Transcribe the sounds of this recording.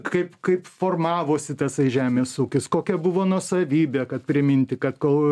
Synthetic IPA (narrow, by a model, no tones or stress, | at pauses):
kɐɪpkɐɪpfoːrmɑːʋoːsʲɪt̪ɐsɐɪʒʲæːmʲeːsuːkʲɪskoːkʲɛbʊʋoːnuɔsɐʋʲiːbʲeːkɐt̪̚pʲɾʲɪmʲɪnʲt̪ʲɪkɐt̪kolˠ